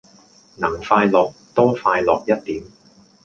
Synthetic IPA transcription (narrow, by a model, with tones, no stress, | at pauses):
nɐ˨˩ŋfaː˧jlɔː˨k̚t̪ɔː˥faː˧jlɔː˨k̚jɐ˥t̚t̪iː˨˥m